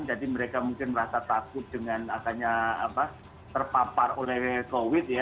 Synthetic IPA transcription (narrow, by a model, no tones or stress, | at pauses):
nd͡ʒadiməɾekamuŋkɪnməɾasat̪akʊt̪̚d̥əŋanasaɲaa̰pa | t̪ərpaparolɛhkowɪt̪̚ja